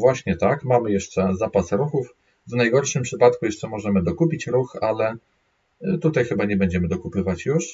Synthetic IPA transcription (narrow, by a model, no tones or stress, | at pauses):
vwaɕɲɛt̪akmamɘjɛʂt͡ʂɛzapasɾuxuf | vnajɡɔɾʂɘmpʂɘpat̪kujɛʂt͡ʂɛmɔʐɛmɘd̪ɔkupʲit͡ɕɾuxalɛ | t̪ut̪ajxɘbaɲɛbɛɲd͡ʑɛmɘd̪ɔkupɘvat͡ɕjuʂ